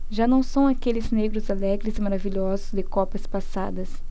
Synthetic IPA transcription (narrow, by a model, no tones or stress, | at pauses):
ʒanɐ̃w̃sɐ̃w̃akelɪzneɡɾʊzalɛɡɾɪzɪmaɾaviʎɔzʊzd̪ɪkɔpɐspasa̰d̪ɐs